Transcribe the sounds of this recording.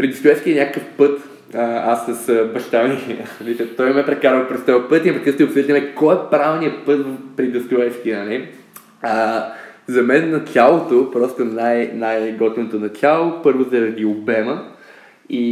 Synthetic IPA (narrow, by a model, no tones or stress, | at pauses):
pɾid̪əst̪ʊɛʃkiɛnʲakəkəfpɤt̪ | əasːɐsbɐʃt̪anivisʲət̪ɔjmɛpɾɛkaɾvəpɾɛst̪ɔəpɤt̪inɐpɾikəst̪opsət̪əmɛkɔjɛpɾavniəpɤt̪vəfpɾid̪əst̪ʊɛt͡ʃkinɐlʲi | ə | zɐmɛnːɐt̪ʲjalˠot̪opɾɔst̪onajnajɡɔt̪not̪onɐt̪ʲʰalˠopɤɾvozɐɾɐd̪iobɛmə | i